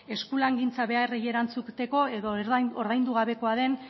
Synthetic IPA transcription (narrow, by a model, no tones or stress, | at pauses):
e̞skulaŋɡint͡saβe̞aereje̞ɾant͡sukt̪e̞ko̞e̞ðo̞oɾðajnd̪uɣ̞aβe̞ko̞aðe̞n